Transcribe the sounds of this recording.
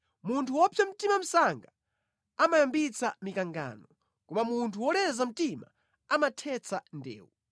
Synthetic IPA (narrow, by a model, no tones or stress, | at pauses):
muntʰuwɔpʰjam̩timam̩saŋɡa | amajambit͡sʰamikaŋɡa̰ːnɔ | kɔmamuntʰuwɔlɛzam̩tima̰ | amatʰɛt͡sʰandɛ̰ːwu